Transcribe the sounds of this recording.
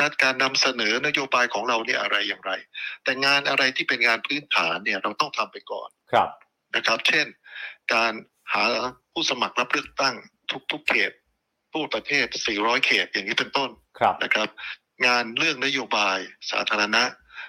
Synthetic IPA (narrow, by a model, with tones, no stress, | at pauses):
a˦˥t̪̚kaː˧nːa˧msa˧nɤː˩˦na˦˥joː˧baː˧jkʰɔː˩˦ŋɾa˧wniː˦˥˩ɐʔa˧ɾa˧jːaː˨˩ŋɾa˧jt̪ɛː˨˩ŋaː˧nʔa˧ɾa˧jt̪ʰiː˥˩pe˧nŋaː˧npʰɯː˦˥nt̪ʰaː˩˦nːi˥˩ɐɾa˧wt̪ɔ˥˩ŋt̪ʰa˧mpa˧jkɔ̰ː˨˩n˧ | na˦˥kʰɾa˦˥p̚t͡ɕʰe˥˩nkaː˧n | haː˩˦pʰuː˥˩sa˧ma˨˩k̚ɾa˦˥p̚ɾɯ˥˩ək̚t̪a˥˩ŋt̪ʰu˦˥k̚t̪ʰu˦˥kʰːḛː˨˩t̪̚ | pʰːuː˥˩pɾa˧t̪ʰeː˥˩t̪̚siː˨˩ɾɔː˦˥jkʰeː˨˩t̪̚jaː˨˩ŋiː˦˥pe˧nt̪o˥˩n | nʔa̰˦˥kʰɾa˦˥p̚ | ŋaː˧nɾɯ˥˩ək̚na˦˥joː˧baː˧jsa̰ː˩˦t̪ʰaː˧ɾa˧na˦˥ʔ